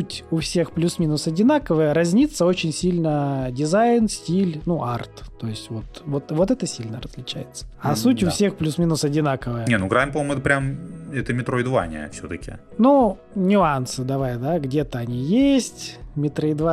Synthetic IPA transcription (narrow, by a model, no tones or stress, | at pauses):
utʲʊfsʲe̞xplʲusmʲinʊsɐdʲɪnakəvəjəɾɐzʲnʲit̪sːəo̞t͡ɕɪnʲsʲilʲnədʲɪzaɪnsʲtʲilʲnuʔart̪ːojɪsʲtʲvo̞t̪vot̪vo̞t̪ɛt̪əsʲilʲnə̰ɾəzʲlʲɪt͡ɕæ̰jɪt̪sːə̥ɐsutʲʊfsʲexplʲusmʲinʊsɐdʲɪnakəvəjənʲenuɡɾajɪmpɐmojmʊɛt̪əpɾʲamɛt̪əmʲɪt̪ɾoɪd̪va̰nʲɪ̰ə̰fsʲot̪əkʲɪ̰ | nu | nʲʊansɨd̪ɐvajd̪aɡdʲet̪əɐnʲijesʲtʲmʲɪt̪ɾəɪd̪va